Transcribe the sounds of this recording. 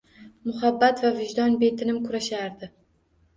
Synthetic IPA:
mʊhabːat̪vavɪʒd̪ɒnbe̞t̪ʰɪnɪmkʰʊɾaʃaɾd̪ɪ

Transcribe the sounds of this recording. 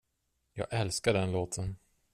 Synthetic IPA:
jɑ̰ːɡʔɛlskaɖɛnloːt̪ʰən

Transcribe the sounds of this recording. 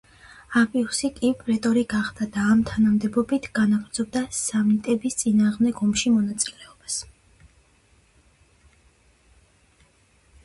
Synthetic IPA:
apʼisikʼipʼɾɛt̪ʼɔɾiɡaχd̪ad̪aːmt̪ʰanamd̪ɛbɔbit̪ʰɡ̥anaɡɾd̪zɔb̚d̪asamit̪ʼɛbist̪sʼinaːʁmd̪ɛkɔmʃimɔnat̪sʼilɛɔb̥as

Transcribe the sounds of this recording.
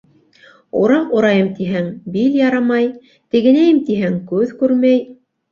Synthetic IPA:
ṵɾɑquɾɑjɤmt̪iɦæŋbiljɑɾɑmɑj | t̪ɘ̆ɡɘ̆næjɘmt̪iɦæŋkʉðkʉɾmæj

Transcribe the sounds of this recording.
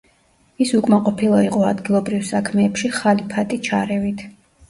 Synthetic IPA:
isukʼmaqʼɔpʰilˠaiqʼɔad̪ɡilˠɔbɾifsakʰmɛːpʃiχalipʰat̪ʼit͡ʃʰaɾɛvit̪ʰ

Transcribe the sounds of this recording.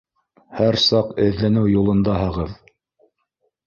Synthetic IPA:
hæɾsɑqɘ̆ðlænɘwjulˠɤ̆nd̪ɑhɤ̆ʁɤð

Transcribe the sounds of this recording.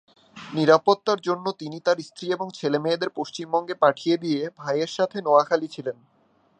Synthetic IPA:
niɾapot̪ːaɾd͡ʑonːot̪init̪aɾist̪ɾieboŋt͡ɕʰelemeed̪eɾpoʃt͡ɕimbɔŋɡepaʈʰijed̪ijebʱajeɾʃat̪ʰenoakʰalit͡ɕʰilen

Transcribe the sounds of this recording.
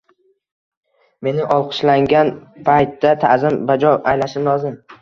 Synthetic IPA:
me̞nɪʔɒlˠqʰɨ̥ʃlaŋɡʲanpʰajt̪ːat̪ʰazɪmbad͡ʒɒʔajlaʃɪmlˠɒzɪm

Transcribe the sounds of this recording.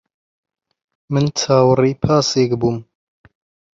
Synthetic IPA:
mɨnt͡sʰaːwriːpʰaːseːkbuːm

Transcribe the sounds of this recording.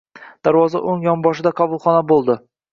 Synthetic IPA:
d̪̥aɾvɒza̰ʔoŋjɒmbɒʃɪd̪aqʰɒbʊlˠχɒnabolˠd̪ɪ

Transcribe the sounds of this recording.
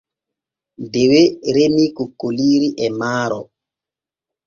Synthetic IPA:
deweɾemikukːoliːɾiʔɛmaːɾɔ

